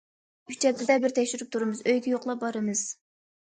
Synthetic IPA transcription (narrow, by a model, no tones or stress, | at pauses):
yt͡ʃʰɛt̪ʰːɪd̪ɛbɪɾt̪ʰɛkʲʃyɾyp̚t̪ʰuɾɨmɨzøjɡʲɛjoqlˠɑp̚bɑɾɨmɨz̥